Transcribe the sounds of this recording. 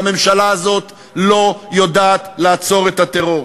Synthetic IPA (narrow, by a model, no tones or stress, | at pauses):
me̞mʃalaːzo̞t̪ | lo̞jodaːt̪laːt͡so̞ʁet̪at̪eʁo̞ʁ